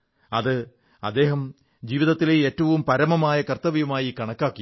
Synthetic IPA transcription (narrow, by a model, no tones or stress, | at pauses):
ɐðɨ | ɐd̪ːe̞ːɦɐm | d͡ʑiːʋiðɐt̪ːileeːtːɐʋumpɐɾɐmɐmaːjɐkɐrt̪ɐʋijumaːjikɐɳɐkːaːkːi